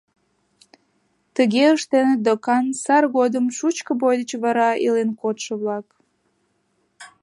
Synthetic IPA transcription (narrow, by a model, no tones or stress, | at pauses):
t̪əɣeəʃt̪enəd̪okɑnsɑrɣod̪əmʃut͡ɕkəbojd̪ət͡ɕβɑɾɑilenkot̪ʃəβlɑk